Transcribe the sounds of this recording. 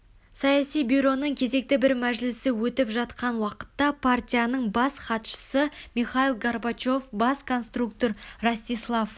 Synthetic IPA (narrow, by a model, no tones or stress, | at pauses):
sɑjɑsijbuɾo̞nəɴkʲʰe̞ze̞k̚t̪ɪbɪɾmæʒlɪsɪwɵt̪ɪpʒɑt̪qɑnwɑqə̥t̪ːɑpʰart̪ʲijanəɴbɑsχɑt̪ʃə̥səmiχailˠɡarbat͡ʃo̞fbɑskʰo̞nst̪ruk̚t̪o̞ɾrasʲt̪ʲijslˠaf